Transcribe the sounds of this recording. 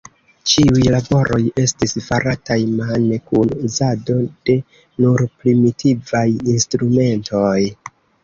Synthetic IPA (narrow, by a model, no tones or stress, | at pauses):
t͡ʃiujlabo̞ɾʔo̞je̞stisfaɾatajmanekunuzado̞d̥e̞ | nuɾpɾimitʰivajinstɾume̞ntʰo̞j